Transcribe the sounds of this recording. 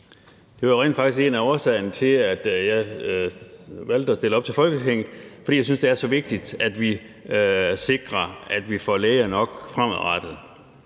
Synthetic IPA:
d̥e̝ʋɑ̈ʁḛːnd̥fɑ̈ɡ̥d̥isɡ̥e̝̰ːnæɒːsɛ̰ːɪ̰nət͡sʰe̝læd̥jɑ̈ɪ | ʋæl̰d̥əɒ̽sd̥e̝ləɒ̽b̥̚t͡sʰe̝fɒ̽lɡ̥ət͡sʰeŋ̰ð̩ˠfɒ̽dḭːjɑsynsd̥e̝æɐsɒ̽ʋe̝ɡ̥̚d̥id̥æd̥ʋi | se̝ɡ̥ʁɐæd̥ʋifɒ̰leːɪɐnɒ̽ɡ̥fʁam̰æðˠʁɑd̥ð̩ˠ

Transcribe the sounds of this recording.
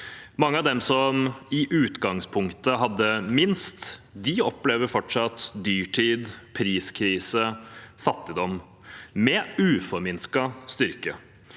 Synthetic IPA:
mɑŋːəɑʋd̪ɛmsɔmɪʔʉːt̪ɡɑŋspʰʊŋkt̪əɦɑd̪ːəmɪnst̪d̪ɪɔpleːʋəɾfɔʈʂɑt̪d̪yːʈʰiːd̪pʰɾiːskʰɾiːsəfɑt̪ːɪd̪ɔm | mɛʉːfɔɾmɪnskɑst̪ʏɾkə

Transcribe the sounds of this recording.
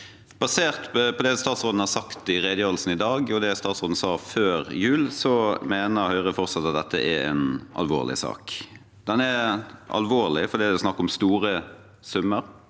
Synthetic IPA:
b̥ɑseːʁt̪pʰɔd̪ɛst̪ɑːt̪sʁoːd̪n̩hɑɾsɑkt̪ɪʁeːd̪əjøːd̪l̩sn̩ɪd̪ɑːɡɔd̪ɛst̪ɑːt̪sɔd̪n̩sɑːføːɾjʉːlsɔmeːnəhœʏʁəfɔʁt̪sɑt̪ːɑt̪̚d̪ɛt̪ʰːəʔɛɾɛ̰nɑ̰lʋo̰ːʁlʔɪ̰sɑ̰ːk | d̪ɛnɛʔɑ̰lʋoːʁlɪfɔɾd̪iːd̪ɛɔsnɑkːɔmst̪uːɾə | sʉmːəɾ

